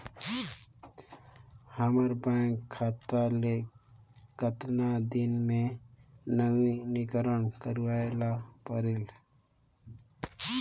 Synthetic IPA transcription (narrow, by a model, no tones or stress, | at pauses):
həməɾbãkʰːat̪ale | kət̪nad̪inme | nəinikəɾənkəɾʋaelapəɾel